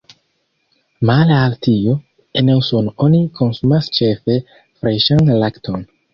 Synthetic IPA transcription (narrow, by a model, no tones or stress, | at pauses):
malaltio | enewsononikʰo̞nsumast͡ʃe̞fe̞ | fɾeʃanlaktʰon